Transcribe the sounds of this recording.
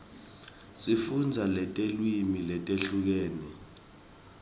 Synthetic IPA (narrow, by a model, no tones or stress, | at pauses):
sifund͡zʱalɛtʼelwimilɛtʼeɬuk̬eːni